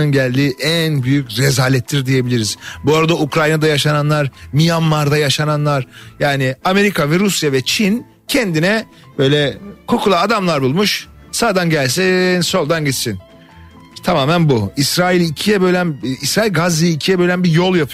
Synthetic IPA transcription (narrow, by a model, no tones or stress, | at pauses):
ɯnɟælʲd̪iːʔænbyjycɾɛzaːlʲɛt̪ʰːʲiɾd̪ije̞bilʲiɾizbuaɾad̪aukɾajnad̪ajaʃananlˠaɾmijanːaɾd̪ajaʃananlˠaɾ̥jaːnɪame̞ɾikʰavɛɾusjavɛt͡ʃʰin | cʰɛnd̪inɛ | b̥ø̞jlʲɛkʰo̞kʰulˠaːd̪amlˠaɾbulˠmuʃ | saːd̪anɟælʲsɛnso̞lˠd̪anɟit͡ʃ̪sin | t̪ʰamaːmænbuisɾaːilʲicʰijɛbø̞jlʲænisɾaːilʲɡazijicʰijɛbø̞lʲæmbijolˠjapʰ